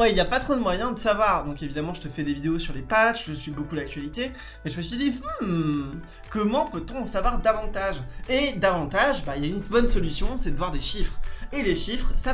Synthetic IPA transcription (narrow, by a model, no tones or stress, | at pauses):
wɛiljapat̪χod̪əmwajɛ̃d̪əsavwaʁd̪ɔ̃kevid̪amɑ̃ʒət̪əfɛd̪evid̪eosyʁlepaʃʒəsɥibokulak̚t̪ɥalit̪e | mɛʒəməsəd̪i | kɔmɑ̃pøt̪ɔ̃ːsavwaʁd̪avɑ̃t̪aʒed̪avɑ̃t̪aʒbailjaynbɔnsɔlysjɔ̃sɛd̪əvwaʁd̪eʃifχeleʃifχsa